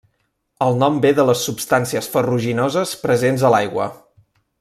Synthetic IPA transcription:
əlˠnɔmbeðələsːupst̪ansiəsfəruʒinɔzəspɾəzenzəlajɣwə̰

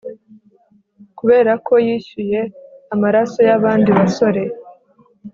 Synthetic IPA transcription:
kuβe̞ːɾakʰo̞jiʃuje̞amaɾaso̞jaβaːndiβaso̞ɾe̞

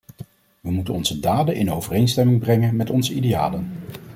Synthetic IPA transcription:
ʋəmutənɔnzədaːdəʔɪnowvərejnstɛmɪŋbrɛŋənmɛtɔnzəidea̰ːlən

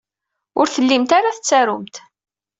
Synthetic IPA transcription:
ʊɾθəlːimt̪aɾaθət͡sːæɾʊmt̪

